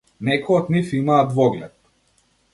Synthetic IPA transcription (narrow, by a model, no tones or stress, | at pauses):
nɛkɔjɔt̪nifimaːd̪vɔɡlɛt̪̚